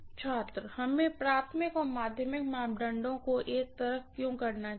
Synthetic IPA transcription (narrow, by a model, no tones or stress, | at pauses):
t͡ʃʰaːt̪ɾəhɐmẽpɾaːt̪ʰmɪkɔːɾmaːd̪ʱjəmɪkmaːmɖə̃ɳɖõkoʔeːk̚t̪ɐɾəfkjõːkɐɾna